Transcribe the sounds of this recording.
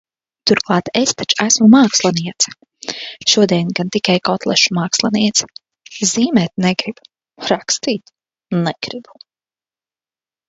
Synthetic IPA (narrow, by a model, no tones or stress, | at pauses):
t̪uɾklˠɑːt̪est̪at͡ʃæsmumaːkslˠaniɛt̪s | ʃuɔd̪iɛnɡant̪ikajkɔt̪lˠɛʃu̥maːkslˠaniɛt̪s | ziːmɛt̪nɛɡɾib̥ | ɾakst̪iːt̪ | nɛɡ̥ɾibu̥